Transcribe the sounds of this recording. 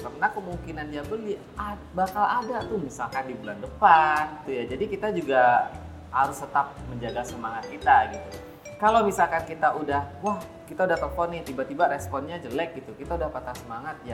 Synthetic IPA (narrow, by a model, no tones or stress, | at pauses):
kərnakəmuŋkinandiabəli | a | bakaladat̪ʊhmisalkandibulandəpant̪ujad͡ʒadikit̪ad͡ʒuɡa | haɾʊst̪ət̪ap̚məɲd͡ʒaɡasəmaŋat̪̚kit̪aɡit̪u | kalowmisalkankit̪aʔudahwah | kit̪audaht̪ɔpɔnɪht̪ibat̪ibaɾɛspɔnɲad͡ʒəlɛk̚ɡit̪ukit̪audahpat̪asəmaŋat̪̚ja